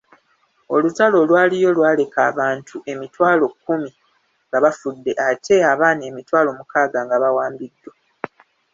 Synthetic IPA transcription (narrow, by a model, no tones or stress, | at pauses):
o̞lutalo̞lwaːlijo̞lwaːle̞kaːβaːntʰuʔe̞mitwaːlo̞kːumi | ŋɡaβafudːe̞ʔatʰe̞aβaːne̞ːmitwaːlo̞ːmukaːɡaŋɡaβawaːmbidːo